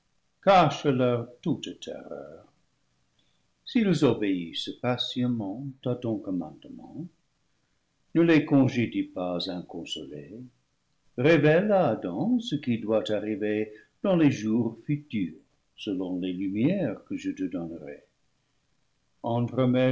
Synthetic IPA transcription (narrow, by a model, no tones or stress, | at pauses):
kaʃəlœʁtuttʰɛ̰ʁœ̰ːʁ | silzobeisəpasjəmɑ̃tat̪ɔ̃kɔmɑ̰̃d̪əmɑ̰̃ | nəlekɔ̃ʒedipazɛ̃kɔ̃so̰le | ʁevɛlaːdɑ̃səkidwataʁive | d̥ɑ̃leʒuʁfytyːʁ | səlɔ̃lelymjɛʁkəʒətədɔnʁe | ɑ̃t̪ʁəmɛ